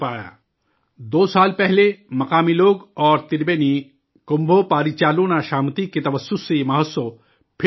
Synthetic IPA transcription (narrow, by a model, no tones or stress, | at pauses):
paːja̰ː | d̪oːsaːlpɛɦlemɐkaːmiloːɡɔːɾt̪iɾbeni | kombʱopaːɾit͡ʃaːloːnaʃaːmt̪ikːet̪ɐʋəsːusimɐɦət̪so | pʰ